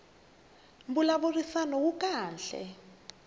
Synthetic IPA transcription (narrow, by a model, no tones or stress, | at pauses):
mbulaβurisanɔwukʼaːnɬɛ̰